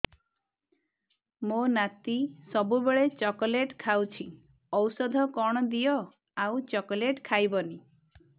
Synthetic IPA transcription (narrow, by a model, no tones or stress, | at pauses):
monat̪isɔbubeɭet͡ʃɔkɔleʈkʰawt͡ʃʰi | ɔwsɔd̪ʱɔkɔɽ̃ɔd̪ijɔ | awt͡ʃɔkɔleʈkʰajbɔni